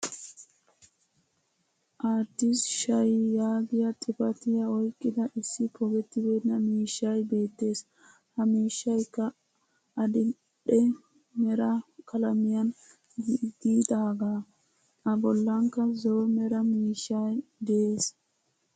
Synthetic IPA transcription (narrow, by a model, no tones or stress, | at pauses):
ʔaːt̪ːɪsʃɐjːaːɡɪjɐt̪ʼɪpɐt̪ɪjɐɔjkʼːɪd̪ɐʔɪsːɪpʰɔɡɛt̪ːɪbeːnɐmiːʃːɐjbe̞ːt̪ːe̞ːs | hɐmiːʃːɐjkːɐ | ʔɐd̪ɪ | ɗɛ | mɛɾɐkɐlɐmɪjɐn | d̪iːd̪aːɡaː | ʔɐbɔlːɐŋkːɐzomɛɾɐmiːʃːajd̪ɛeːs